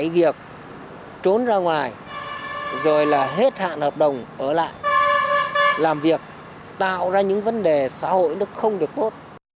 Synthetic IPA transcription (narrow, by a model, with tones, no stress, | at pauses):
vi˨˩ək̚ | t͡ɕo˨˦nzaː˧ŋwaː˨˩j | zo˨˩jlaː˨˩ɦe˦˥t̚ha̰ː˧˨nhəː˨˩p̚ɗə˨˩wŋ͡mʔəː˧˩la̰ː˧˨j | laː˨˩mvi˨˩ək̚ | t̪a̰ː˧˨wzaː˧ɲɨ̰˧˥ŋvə˨˦nɗe˨˩sa̰ː˧˥ho̰˧˨jnɨ˦ək̚xə˧wŋ͡mɗɨ˨˩ək̚t̪o˦˥t̚